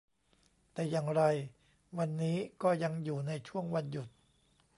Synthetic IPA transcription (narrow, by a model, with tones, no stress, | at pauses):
t̪ɛː˨˩jaː˨˩ŋɾa˧j | wa˧nːiː˦˥kɔː˥˩ja˧ŋjuː˨˩na˧jt͡ɕʰu˥˩əŋwa˧nju˨˩t̪̚